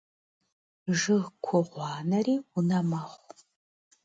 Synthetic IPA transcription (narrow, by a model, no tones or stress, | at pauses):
ʒɨʁkʷʰɔʁʷɑːnɐriːʊnɐmɐχʷ